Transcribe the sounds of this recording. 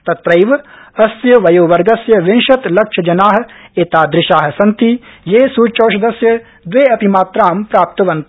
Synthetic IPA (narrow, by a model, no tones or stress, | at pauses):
t̪ɐt̪ɾɐjʋɐsjɐʋɐjoːʋɐɾɡɐsjɐʋɪnʃɐt̪lɐkʃʰɐd͡ʒɐnaːɦ̆eːt̪aːd̪ɾɪʃaːɦ̆sɐnt̪ijeːsuːt͡ʃoːʃɐd̪ɐsjɐ | d̪ʋeːɐpimaːt̪ɾaːmpɾaːp̚t̪ɐʋɐ̃nt̪